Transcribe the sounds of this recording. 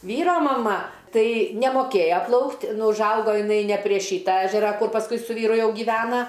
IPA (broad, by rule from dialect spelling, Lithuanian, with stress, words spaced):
ˈʋʲiːroː mɐˈmɐ ˈtɐɪ nʲɛmoːˈkʲeːjɛ ˈplˠɐʊktʲ ˈnʊ ʊʒˈɐʊɡoː jɪˈnɐɪ nʲɛ pʲrʲiɛ ˈʃʲiːtɐ ˈæːʒʲɛrɐ ˈkʊr pɐsˈkʊɪ sʊ ˈʋʲiːrʊ ˈjɛʊ ɡʲiːˈʋʲæːnɐ